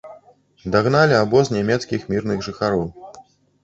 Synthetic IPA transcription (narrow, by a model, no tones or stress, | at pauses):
d̪aɣnalʲiabɔznʲamʲɛt̪skʲixmʲirnɨɣʐɨxaɾɔw